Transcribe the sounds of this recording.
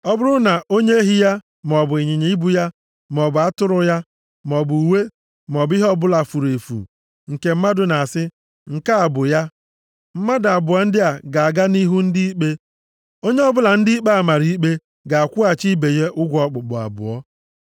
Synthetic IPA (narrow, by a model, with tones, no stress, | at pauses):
ɔ˦bʊ˦ɾʊ˦na˨ʔo˦ɲe˦e˦ɦi˦ja˦ | m˨ɔ˨bʊ˨i˨ɲɪ˨ɲe˨˦i˦bu˦ja˦ | m˨ɔ˨bʊ˨a˦tʊ˦ɾʊ˨ja˦ | m˨ɔ˨bu˨u˨we˦ | m˨ɔ˨bi˦ɦɔ˦bʊ˦la˨fu˨ɾe˨fṵ˨ | ŋ̩˨ke˨m̩˦ma˦dʊ˨na˨sɪ˦ | ŋ̩˨ka˦a˨bʊ˨ja˦ | m̩˦ma˦da˨bʊ˨a˦n̩˦dɪ˦a˨ɡa˨a˨ɡa˦ni˦ɦu˦n̩˦di˦i˦k͡pe˦ | o˦ɲe˦ɔ˦bʊ˦la˨n̩˦dɪ˦i˦k͡pa˦a˦˨ma˨ɾi˦i˦k͡pe˦ | ɡa˨a˨kʷu˦a˨t͡ʃi˦be˨je˦ʔʊ˦ɡʷɔ˨k͡pʊ˨k͡pʊ˨a̰˨bʊ̰˨ɔ˦